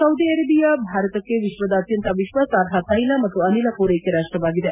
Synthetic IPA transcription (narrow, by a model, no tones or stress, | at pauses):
sɐwd̪iɐɾɐbijɐbʱaːɾɐt̪ɐkːeʋiʃʋɐd̪ɐːt̪jɐnt̪ɐʋiʃʋɐsaːɾɦɐt̪ɐjlɐmɐt̪ːuɐnilɐkoːɾekeɾaːʂʈɾɐʋaːɡid̪e